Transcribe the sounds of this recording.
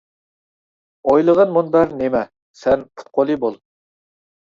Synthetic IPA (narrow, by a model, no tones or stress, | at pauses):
ojlˠəʁənmunbæɾnemɛ | sɛnqʰʊ̥t̪̚qʰolˠibolˠ